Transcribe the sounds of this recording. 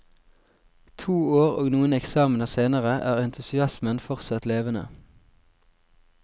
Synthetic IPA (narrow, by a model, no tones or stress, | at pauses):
t̪ʰuːoːʁo̰ːɡnuːənɛksɑːmənəʁseːnəʁəʔæːʁɛnt̪ʰʉsɪɑsmənfɔʁsɑt̪leːʋənə̰